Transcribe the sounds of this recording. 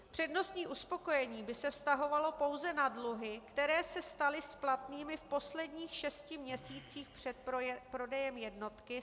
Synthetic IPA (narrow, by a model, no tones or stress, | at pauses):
pr̝̥ɛdno̞st̪ɲiːʔuspo̞ko̞jɛɲiːbɪsɛfst̪aɦo̞valo̞po̞wzɛnadluɦɪkt̪ɛɾɛːsɛst̪alɪsplat̪niːmɪfpo̞slɛdɲiːxʃɛscɪmɲɛsiːt͡siːxpr̝̥ɛt̪̚pɾo̞dɛjɛmjɛdno̞t̪kɪ